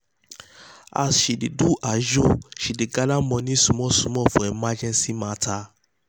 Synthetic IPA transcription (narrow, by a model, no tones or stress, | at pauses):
a̰sʃideduʔad͡ʒoʃideɡalamɔ̃nĩsũmɔ̃sũmɔ̃fɔ̃ɛmad͡ʒɛ̃nsimãtʰa